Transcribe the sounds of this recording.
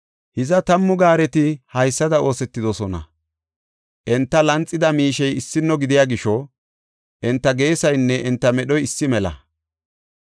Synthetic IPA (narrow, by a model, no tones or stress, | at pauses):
hɪzɐt̪ɐmːʊɡaːɾɛt̪ɪhɐjsːɐd̪ɐo̞ːsɛt̪ːɪd̪ɔsɔnɐ̰ | ʔɛnt̪ːɐlɐnt͡sʼːɪd̪ɐmiːʃɛjɪsːɪnːɔɡɪd̪ɪjaːɡɪʃɔ | ʔɛnt̪ːɐɡe̞ːsɐjnːɛʔɛnt̪ːɐmɛɗɔjɪsːɪmɛlɐ̰